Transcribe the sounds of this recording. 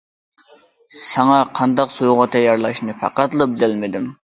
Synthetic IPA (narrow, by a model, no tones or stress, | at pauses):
sɛŋɑqʰɑnd̪ɑqsojʁʊt̪ʰɛjɑɾlˠɑʃnɨpʰæ̰qɑt̪lˠɨbɪzælmɪd̪ɪm